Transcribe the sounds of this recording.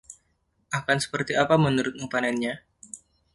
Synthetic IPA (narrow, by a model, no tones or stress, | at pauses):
ʔakansə̥pərt̪iapamənuɾʊt̪̚mupanɛnɲa